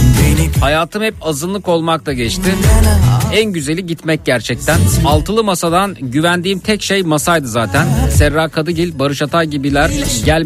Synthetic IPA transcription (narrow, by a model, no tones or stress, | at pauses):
hajaːt̪ʰɯmhɛpazɯnlˠɯko̞lˠmak̚t̪ʰaɟɛt͡ʃt̪ʰin | ænɟyzelʲiɟit̪mɛc̚ɟæɾt͡ʃʰɛc̚t̪ʰænalˠt̪ʰɯlˠɯmasad̪anɟyvænd̪iːmt̪ʰɛcʃejmasajd̪ɯzaːt̪ʰænsɛɾːaːkʰad̪ɯɟilʲbaɾɯʃat̪ʰajɟibilʲæɾɟælʲ